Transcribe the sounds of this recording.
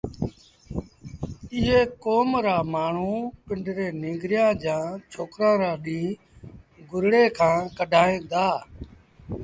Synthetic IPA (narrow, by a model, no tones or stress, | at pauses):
ɪɦeːkoːmɾaːmaːɳ̤uːpɪɳɖɾeːnɪ̃ːŋɡɾɪjãːd͡ʒãːt͡ʃʰoːkɾãːɾaːɗĩː | ɡʊɾɽeːkʰãːkəɖʱaːẽːd̪aː